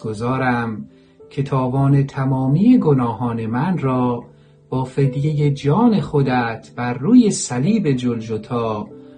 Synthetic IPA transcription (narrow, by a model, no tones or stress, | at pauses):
ɡ̥ozɒːɾæm | cʰe̞t̪ʰɒːbɒːne̞t̪ʰæmɒːmijeɡonɒːɦɒːne̞mænrɒː | b̥ɒːfed̪je̞jed͡ʒɒːne̞χod̪æt̪ʰb̥æɾːuːje̞sæliːbe̞d͡ʒold͡ʒot̪ʰɒː